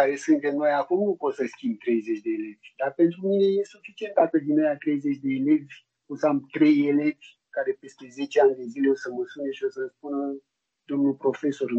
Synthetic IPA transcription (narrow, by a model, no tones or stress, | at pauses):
aɾe̞sɨnt̪e̞mno̞jakumnupo̞t̪səskʲimb̚t̪ɾe̞jze̞t͡ʃʲd̪e̞ːlevʲd̪arpe̞nt̪ɾumine̞je̞sufit͡ʃie̞nt̪̚d̪akəd̪inojat̪ɾe̞jze̞t͡ʃd̪e̞ːle̞vʲ | osəamt̪ɾe̞jele̞vʲ | kaɾe̞pe̞st̪e̞ze̞t͡ʃeanʲd̪e̞zile̞o̞səməsuneʃio̞səspunə | d̪o̞mnupɾo̞fe̞so̞ɾ